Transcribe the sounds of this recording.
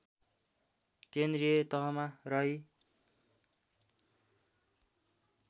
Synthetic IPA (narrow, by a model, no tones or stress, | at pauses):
kend̪rijet̪ʌɦʌmarʌɦi